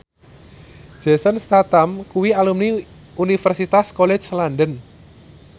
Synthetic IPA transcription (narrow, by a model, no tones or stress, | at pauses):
ʒ̥ɛsənst̪at̪amkuwialumni | unifərsit̪askɔlɛ̥slanɖən